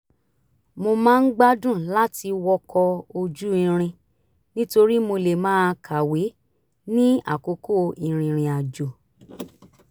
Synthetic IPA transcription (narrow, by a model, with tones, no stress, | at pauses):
mo˧mãː˦˧n̩˦ɡ͡ba˦dũ˦˨la˦ti˧wɔ˦kʰɔ˧o˧d͡ʒu˦i˧ɾ̃ĩ˧ | nĩ˦to˧ɾi˦mo˧le˨mãː˦kʰa˨we˨˦ | nĩ˦a̰˨ko˨˦ko˦˨i˧ɾ̃ĩ˧ɾ̃ĩ˧a˨d͡ʒo˨